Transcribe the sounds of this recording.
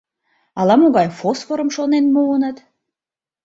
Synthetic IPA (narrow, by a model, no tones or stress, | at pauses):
ɑlˠɑmuɣɑjfosfoɾə̆mʃonenmuənɤ̆t̪